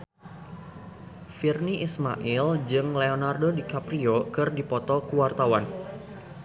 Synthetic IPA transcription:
firniʔisma̰ʔild͡ʒɨŋleonardodikapɾiokɨrdipɔt̪ɔkuwart̪awan

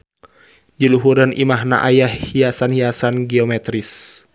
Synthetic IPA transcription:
d͡ʒiluɦuɾənḭmaɦna̰ʔajahhiasanhiasanɡiɔmɛt̪ɾis

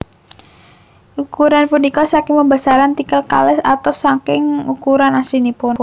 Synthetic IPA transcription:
ʔukuɾanpunikɔsakɪŋməmbasaɾant̪ikəlka̰lɛsat̪asaŋkɪŋukuɾanasinipʊn

